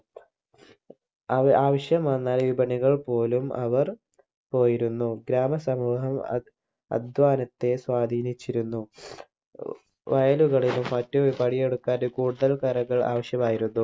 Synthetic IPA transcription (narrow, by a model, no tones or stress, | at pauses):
aːʋɐɕjɐmɐnːaːlʋibʱɐɳiɣɐɭpo̞ːlumʔɐ̰ʋɐr | po̞ːjiɾunːuɡɾaːmɐsɐmuːɦɐm | ɐ̰d̪ʱʋaːnɐt̪ːe̞swaːd̪ʱiːnit͡ɕːiɾunːu | ʋɐjɐluɣɐɭilumːɐtːupɐɽijeɽukːaːnukuːɽuðɐlkɐɾɐɣɐɭa̰ːʋɐɕjɐmaːjiɾunːu